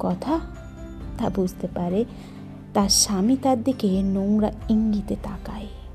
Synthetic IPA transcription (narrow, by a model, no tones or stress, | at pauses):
kɔt̪ʰa | t̪abud͡ʒt̪epaɾe | t̪aɾʃamit̪aɾd̪ikenowɾaiŋɡit̪et̪akae